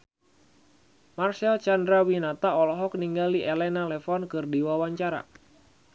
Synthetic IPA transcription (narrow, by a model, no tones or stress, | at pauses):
marsɛlt͡ʃandɾawinat̪aɔlɔɦɔk̚niŋɡaliʔelɛnalɛfɔnkɨrdiwawaɲt͡ʃaɾa̰